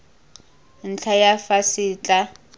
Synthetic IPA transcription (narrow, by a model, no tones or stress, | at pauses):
n̩t͡ɬʰajafasɪːt͡ɬʼa